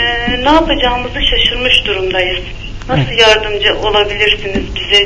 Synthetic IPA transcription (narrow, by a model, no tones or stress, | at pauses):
ɛːnaːpʰad͡ʒaːɯmɯzɯʃaʃɯɾmɯʃd̪uɾumd̪ajɯz̥ | nasɯlˠjaɾd̪ɯmd͡ʒɯʔo̞lˠabilʲiɾsinizbizɛ